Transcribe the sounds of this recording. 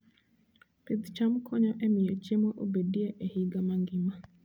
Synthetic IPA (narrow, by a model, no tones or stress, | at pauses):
pid̪t͡ʃamkʰɔɲɔʔemɪet͡ʃemoʔo̰bedieʔehiɡamaŋɡima